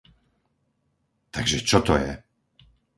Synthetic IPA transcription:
t̪aɡʒɛt͡ʃɔt̪ɔjɛ̰

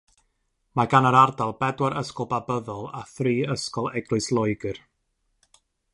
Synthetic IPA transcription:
maɡanəɾardalˠbɛdwaɾəskɔlˠbabəðɔlˠaθriːəskɔlˠɛɡlɨɨslˠɔjɡɨr

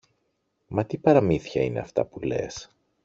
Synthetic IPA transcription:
mɐt̪ipɐɾɐmiθçɐine̞ɐft̪ɐ̰pule̞̰s

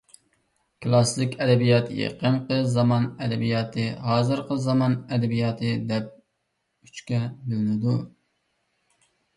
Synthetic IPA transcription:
kʰlˠɑslɪkʲɛd̪ɛbijɑt̪jḛqənqəzɑmɑnɛd̪ɛbijɑːt̪ʰɨɦɑːzɨɾqəzɑmɑnɛd̪ɛbijɑːt̪ʰɨd̪ɛp̚ | yt͡ʃkʲɛbylnɪd̪u

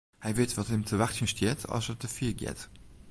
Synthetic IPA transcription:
hæɪviətvɑthemt͡sʰəvæχtʰəʃtʰiətʰɑ̰ʃət̚əfiːɡḭət

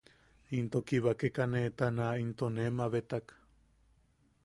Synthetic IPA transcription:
int̪okiβakekanet̪anaint̪onemaβet̪ak

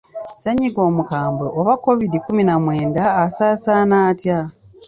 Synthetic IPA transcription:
seɲiɡo̞ːmukaːmbeʔoβako̞vidikuminamweːndaːsaːsanaːtja

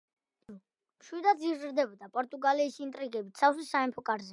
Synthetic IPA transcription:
mʃwid̪ad̪ziɾzɾd̪ɛbɔd̪apʼɔɾt̪ʼuɡaliːsint̪ʼɾiɡɛbit̪sʰasisaɛmpʰɔkʼaɾzɛ

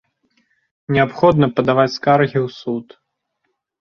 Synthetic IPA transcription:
nʲɛapxɔd̪nɐpɐd̪avat͡sʲskarɣʲiwsut̪

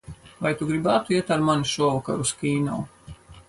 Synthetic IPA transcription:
vajt̪uɡɾibaːt̪uiɛt̪aɾmanuʃɔɔvaka̰ɾuskiːna̰w

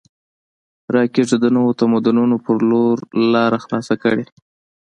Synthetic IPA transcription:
ɾɑkeʐəd̪ənəwot̪amʊd̪ununopəɾloɾlɑɾaxlɑsakəɽe

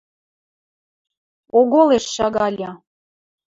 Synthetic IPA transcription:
oɣoleʃːɑɣɑlʲɑ

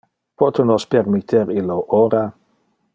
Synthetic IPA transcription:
pot̪onospermit̪ʰːeɾiloʔoɾa

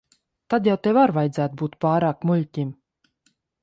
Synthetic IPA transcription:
t̪ad̪jawt̪evaɾvajd̪zæːt̪̚buːt̪paːɾaːkmulʲtʲim

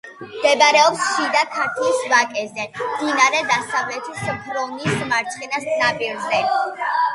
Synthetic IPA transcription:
md̪ɛbaɾɛɔpsʃid̪akʰat̪ʰisvakʼɛzɛmd̪inaɾɛd̪asavlɛt̪ʰispʰɾɔnismaɾt͡ʃχɛnasnabʼiɾzɛ

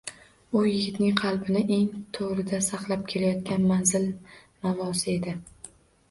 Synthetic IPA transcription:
ʊjɪɡʲɪt̪nɪŋqʰɑlˠbɪnɪʔe̞ŋt̪ʰoʁɾɪd̪asɑqlˠap̚kʲʰe̞lajɒt̪̚kʲanmanzɪl | mavɒsɪe̞d̪ɪ

